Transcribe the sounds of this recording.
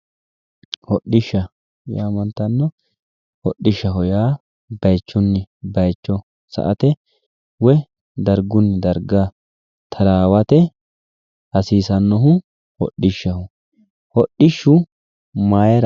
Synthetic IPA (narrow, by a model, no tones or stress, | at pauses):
hɔɗːɪʃːɐ | jaːmɐnt̪ɐnːɔ | hɔɗːɪʃːɐɦɔjaː | bɐjt͡ʃːʊnːɪbɐjt͡ʃːɔ | sɐ̰ʔɐt̪ɛ | wɛ | d̪ɐɾɡʊnːɪd̪ɐɾɡa | t̪ʰɐɾaːwɐt̪ɛ | ɐsiːsɐnːɔɦʊ | hɔ̰ɗːɪʃːɐhʊ | hɔɗːɪʃːʊ | maːjɛɾɐ